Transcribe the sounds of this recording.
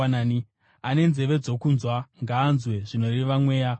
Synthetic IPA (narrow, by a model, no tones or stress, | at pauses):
naːni | ane̞nze̞ʋe̞d͡zo̞kunzwaŋɡaːnzweʐino̞riʋamwe̞ːja